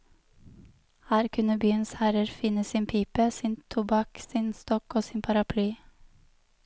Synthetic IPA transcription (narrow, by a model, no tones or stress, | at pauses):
hæːɾkʰʉnəbyːənshæɾəɾfɪnəsiːnpʰiːpəsiːnt̪ʰʊbɑksiːnst̪ɔkoːsiːnpʰɑɾɑpʰlyː